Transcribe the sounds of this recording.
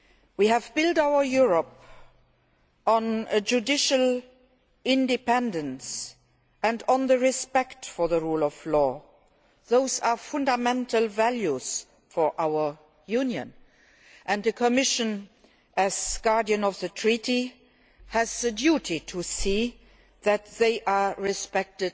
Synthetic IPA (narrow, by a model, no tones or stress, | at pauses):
wiɦævbɪldaʊə˞juɹəp | ɔ̃nəd͡ʒudɪʃəl | ɪ̃ndipɛ̃ndə̃ns | ɛ̃ndɔ̃nðəɹɪspɛktfɔ˞ðəɹuːlɔflɔː | ðoʊzafʊ̃ndamɛ̃ntʰəlvæljuz | fɔʔaʊə˞ | junjə̰̃n | ʔɛ̃ndðəkʰəmɪʃə̃n | ʔæzɡ̥ɑɹdiə̃nɔfðətʰɹiti | hæzðədjutʰitʰusiː | ðætðeɪʔaːɹispɛk̚tɪd